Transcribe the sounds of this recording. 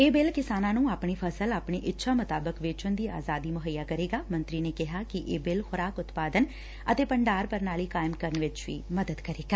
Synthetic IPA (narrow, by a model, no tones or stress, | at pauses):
eːbɪlkɪsaːnãːnũːaːpɳiːpʰəsəlaːpɳiːʔɪtːʃʰaːmət̪aːbəkʋɪt͡ʃʊnd̪iːa̰ːzaːd̪iːmʊɦəjːaːkəɾeːɡaːmə̃nt̪ɾiːneːkɪɦaːkɪʔeːbɪlxʊɾaːkʊt̪paːd̪ən | ət̪eːpəɳɖaːɾpəɾnaːliːkaːɪmkəɾəɳʋɪt͡ʃʋḭːməd̪əd̪kəɾeːɡaː